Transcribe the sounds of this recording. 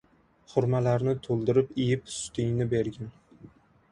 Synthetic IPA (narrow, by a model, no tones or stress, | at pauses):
χʊɾmalaɾnɪt̪ʰolˠd̪ɪɾɪpɪjɪpsʊ̥t̪ʰɪŋnɪbe̞ɾɡʲan